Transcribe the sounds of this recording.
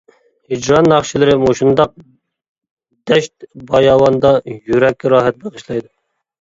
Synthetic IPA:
hid͡ʒɾɑnːɑχʃilɪɾɪmoʃund̪ɑq̚ | d̪̥ɛʃt̪̚bɑjɑːwɑnd̪ɑjyɾɛkʲːɾɑːɦɛt̪̚b̪eʁəʃlˠɑjd̪u

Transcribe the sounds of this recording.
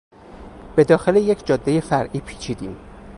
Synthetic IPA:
b̥e̞d̪ɒːxe̞lejecʰd͡ʒɒːd̪ːe̞je̞fæɾʔiːpʰi̥ːt͡ʃʰiːd̪iːm

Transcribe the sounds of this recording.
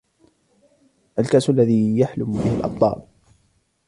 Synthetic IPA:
ʔalkaʔsalːaðiːjaħlʊmbɪhɪlʔɑ̰b̪ˤlˤɑ̰ːl

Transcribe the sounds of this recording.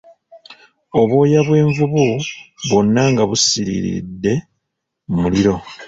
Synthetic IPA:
o̞βwo̞ːjaβwe̞ːɱvuβuβo̞nːaŋɡaβusiɾḭɾḭdːe̞ | muliɾo̞

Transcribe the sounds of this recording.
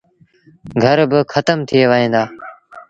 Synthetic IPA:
ɡʱəɾbɪxʰət̪əmt̪ʰɪeːʋəɦĩːnd̪aː

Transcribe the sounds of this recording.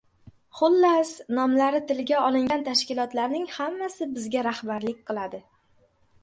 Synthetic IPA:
χʊlːasnɒmlaɾɪt̪ɪlɡʲaɒlˠɪŋɡʲant̪ʰaʃkʲɪlˠɒt̪laɾnɪŋhamːasɪbɪzɡʲaɾahbaɾlɪk̚ʲqʰɨlˠad̪ɪ

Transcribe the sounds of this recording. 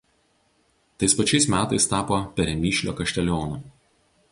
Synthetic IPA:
t̪ɐɪspɐt͡ʃʲɛɪsmʲæːt̪ɐɪst̪ɑːpoːpʲɛɾʲɛmʲiːʃʲlʲo̰ːkɐʃʲt̪ʲɛlʲoːno

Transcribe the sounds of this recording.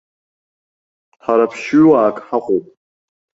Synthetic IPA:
ħaɾapʰʃaːkʼħaqʼopʼ

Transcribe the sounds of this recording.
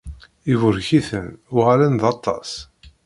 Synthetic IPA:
ivʊɾçiθənʊʁalənðɑt̪ˤːɑ̰s

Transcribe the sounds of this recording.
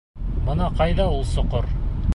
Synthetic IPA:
bɤnɑqɑjðɑulˠsŏqoɾ

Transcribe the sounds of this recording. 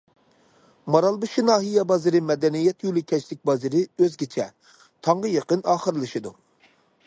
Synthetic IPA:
mɑɾɑlˠbɨʃinɑːɦijɛbɑzɨɾɪmɛd̪ɛnijɛt̪julˠɨkʲʰɛt͡ʃlɪk̚ʲbɑzɨɾɪøzɡʲit͡ʃʰɛ | t̪ʰɑɴʁəjɑqənɑːχəɾɨlˠɨʃɨd̪u

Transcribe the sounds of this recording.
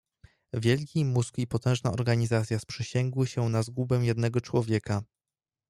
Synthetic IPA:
vʲjɛlkʲimuzkipɔt̪ɛ̃ʐnaɔɾɡaɲizat̪sʲjaspʂɛɕɛŋɡwɘɕɛnazɡubɛ̃jɛd̪nɛɡɔt͡ʂwɔvʲjɛka

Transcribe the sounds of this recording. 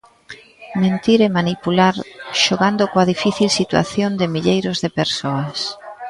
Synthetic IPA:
mẽnt̪iɾemanipulaɾʃoɣand̪okoaðifiθilsit̪wa̰θjond̪ɪmiʎejɾʊzðɪpeɾsoɐs

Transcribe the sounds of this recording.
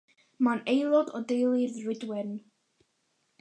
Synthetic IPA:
manejlˠɔdɔdejlˠiðrɪdwɪn

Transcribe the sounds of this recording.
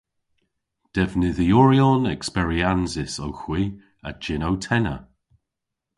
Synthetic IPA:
d̥ɛvnɪðiɔɹiɔnɛkspɛɹianzɪsowxw̥iː | ə̰d͡ʒɪnowtʰɛnə̰

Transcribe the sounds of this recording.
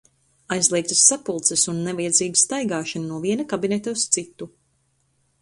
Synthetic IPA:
ajzlˠiɛk̚t̪ɐsːapulˠt̪sɛsunːɛvajɛd̪ziːɡist̪ajɡaːʃananuɔviɛnɐkabinɛt̪aust̪sit̪ːu

